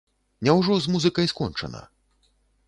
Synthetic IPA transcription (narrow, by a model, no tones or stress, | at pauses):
nʲɛwʐɔzmuzɨkɐjskɔnt͡ʂɐ̰nɐ̰